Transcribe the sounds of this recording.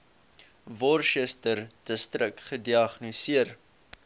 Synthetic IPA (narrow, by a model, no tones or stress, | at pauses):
vɔrʃɛstərd̥əstrəkχədiɐχnosiər